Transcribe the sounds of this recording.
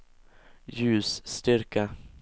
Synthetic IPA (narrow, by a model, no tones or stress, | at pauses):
jʉ̟ːsːt̪ʏɾkə